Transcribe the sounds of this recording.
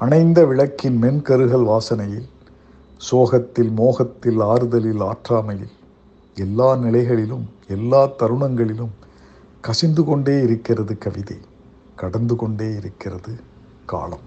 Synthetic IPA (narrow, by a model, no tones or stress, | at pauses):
ɐnɐɪnd̪ɐʋɪɻɐkːɪnmɛnkɐɾɯɣɐɭʋaːsɐnɐjɪl | soːɣɐt̪ːɪlmoːɣɐt̪ːɪlaːɾɯðɐlɪlaːʈraːmɐjɪl | ɛlːaːnɪlɐɪɣɐɭɪlɯmɛlːaːt̪ːɐɾɯɳɐŋɡɐɭɪlɯm | kɐsɪnd̪ɯkɔɳɖeːɪɾɯkːɪrɐðɯkɐʋɪðɐ̰ɪ | kɐɽɐnd̪ɯkɔɳɖeːɪɾɯkːɪrɐðɯ | ka̰ːlɐm